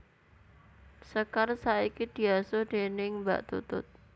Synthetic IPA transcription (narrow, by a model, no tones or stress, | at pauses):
səkarsaikid̪̥i̤asod̪̥enɪŋba̰ʔt̪ṵt̪ʊ̰t̪̚